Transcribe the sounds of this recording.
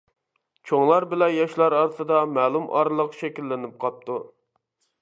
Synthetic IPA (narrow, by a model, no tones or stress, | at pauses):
t͡ʃʰoŋlˠɑɾbɪlɛjɑʃlˠɑɾɑɾt̪ʰɨd̪ɑmɛːlˠumʔɑ̰ɾlˠəqʃɛkʲilːɪnɪp̚qʰɑp̚t̪u